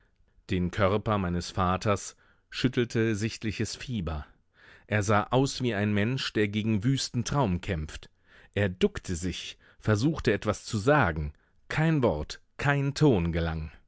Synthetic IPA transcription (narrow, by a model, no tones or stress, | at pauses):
d̥eːnkʰœʁpɐmaɪnəsfaːtʰɐs | ʃʏtʰl̩tʰəzɪçtlɪçəsfiːbɐ | ʔeːɐzaːʔaʊsv̥iːaɪnmɛnʃd̥eːɐɡeːɡŋ̩vyːstn̩tʁ̥aʊmkʰɛmp͡ft | ʔeːɐdʊktʰəzɪç | fɛɐzuːxtəɛtv̥ast͡suzaːɡŋ̩ | kʰaɪnvɔɐt | kʰaɪntʰoːnɡəla̰ŋ